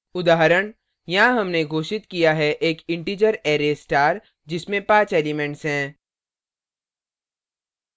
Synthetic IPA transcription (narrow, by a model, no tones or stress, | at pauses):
ʊd̪aːɦəɾəɽ̃ | jɐɦãɦɐmneɡʱoːʃɪt̪kijaɦɛʔeːkɪ̃ɳʈiːd͡ʒəɾeːɾesʈaːɾ | d͡ʒɪsmẽpãːt͡ʃeːlɪmɛ̃ɳʈsɦɛ̃ː